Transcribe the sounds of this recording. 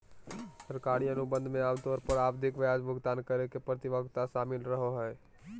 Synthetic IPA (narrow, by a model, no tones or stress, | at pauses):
səɾkaːɽ̃ijãnubə̃nd̪ʱmẽaːmt̪ɔːɾpəɾaːbd̪ʱɪkʋjaːd͡ʒbʱʊɡt̪aːnkəɾekepɾət̪ɪʋəɡt̪aʃaːmɪlɾəɦoɦɛː